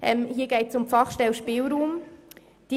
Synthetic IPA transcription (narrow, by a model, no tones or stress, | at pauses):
ʔɛmhiːɐɡeɪtsʊmfɑχʃtɛlʃpiːlɾuːm | d̥i